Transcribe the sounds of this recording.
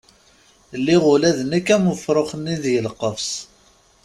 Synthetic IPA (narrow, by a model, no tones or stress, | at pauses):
lːiʁʊlæðənækːæmʊfɾˤoχənːiðʝəlqːəfs